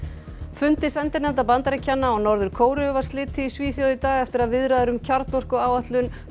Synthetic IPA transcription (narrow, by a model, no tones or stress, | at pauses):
fʏnt̪ɪsɛnt̪ɪɾnɛmt̪apant̪aɾɛcʰːanːaɔnɔɾðʏɾ̥kʰoːwɾʏʏvaɾ̥st̪lɪːt̪ʰɪisviːθjowðɪt̪aːɣɛft̪ɪɾaðvɪðɾaðʏɾʏmcʰaɾt̪nɔr̥kʏaːwaht̪lʏn